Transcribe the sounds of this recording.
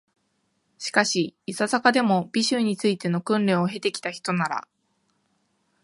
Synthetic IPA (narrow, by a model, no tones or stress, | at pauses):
ɕi̥kaɕiːsazakad̪e̞mo̞bʲiɕɨɲ̟ːit͡sɨit̪e̞no̞kɯ̟̃nɾẽ̞ɰ̃oɦe̞t̪e̞kʲi̥t̪açi̥t̪o̞naɾa̰